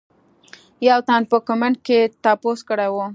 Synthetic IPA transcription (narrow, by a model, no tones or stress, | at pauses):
jawt̪and̪̚pəkʊmaɳɖ̚ket̪aposkəɽajwu